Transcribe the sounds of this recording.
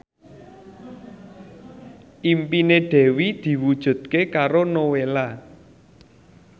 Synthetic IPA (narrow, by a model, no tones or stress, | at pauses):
ʔimpineɖ̥ɛ̤wid̪̥i̤wud̥ʒ̥ṳd̪̥̚kekaɾonowela